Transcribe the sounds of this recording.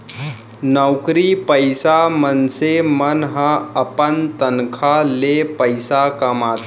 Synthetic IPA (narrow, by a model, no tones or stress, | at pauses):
nəwkɾipəjsamənsemənɦəɐpənt̪ənkʰalepəjsakɐmaːt̪